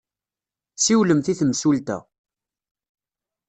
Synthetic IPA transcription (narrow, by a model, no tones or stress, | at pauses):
siwləmθiθəmsult̪æ̰